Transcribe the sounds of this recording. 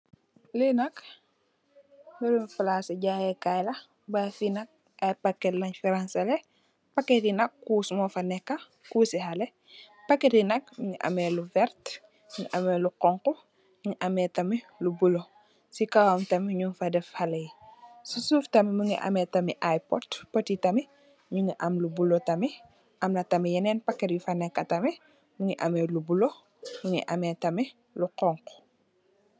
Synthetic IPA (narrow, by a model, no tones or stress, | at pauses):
linɐk | miɾumfalaːsɐɟajɛkajlɐ | bafinɐk̚ | ʔajpakːɛlɐɲfiɾansɐlɛ | pɐkːetinɐkːuːsmɔfɐnɛkːɐ | kuːsiɦɐlɛ | pɐkːetinɐk̚miŋiʔa̰mɛluvɛɾt | miŋiʔamɛːluqɔŋqɔ | ŋiʔɐmɛtɐmi | lubulo | sikawɐmtɐmiɲunfɐdɛfhɐlɐjsusuːftɐmiməŋḭʔɐ̰mɛːtɐmiʔajpɔ̰t̚pətitɐmi | ɲuŋiʔɐmlubulotɐmi | ʔɐmnɐtɐmijɐnɛːnpɐkːɛɾjufɐnɛkːɐtɐmi | məŋiʔɐmɛːlubulo | məŋḭʔɐ̰mɛtɐmi | luqɔŋqu̥